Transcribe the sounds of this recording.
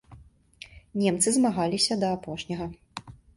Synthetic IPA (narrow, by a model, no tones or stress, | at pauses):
nʲɛmt̪sɨzmaɣalʲisʲɐd̪ɐːpɔʂnʲɐɣɐ